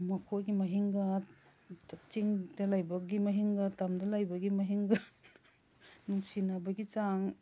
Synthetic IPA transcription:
mɐkʰoɡimɐɦiŋɡɐ | tat͡ʃiŋdɐlajbɐɡimɐɦiŋɡɐtamdɐlajbɐɡimɐɦiŋɡɐ | nuŋsinabɐɡit͡ʃaŋ

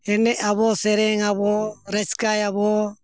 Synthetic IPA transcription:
ɛnɛʔaβɔsɛɾɛŋaβɔɾɛskajaβɔ

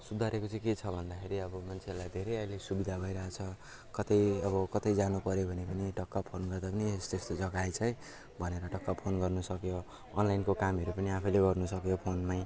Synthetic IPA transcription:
sud̪ʱaɾekot͡sʌ̃ket͡sʰʌbʱʌnd̪akʰeɾiʌbʌmant͡sʰerlajd̪ʱeɾʌjʌjlesubid̪ʱabʱʌiɾʌɦat͡sʰʌ | kʌt̪ʌjʌβʌkʌt̪ʌjd͡zanupʌɾjobʱʌnepʌniʈʌkːapʰonɡʌrd̪apʌniest̪est̪od͡zʌɡajt͡sʰʌj | bʱʌneɾʌʈʌkːapʰonɡʌrnusʌkjoː | nlajnkokamʌɾupʌniapʰʌleɡʌrnusʌkjopʰonmaj

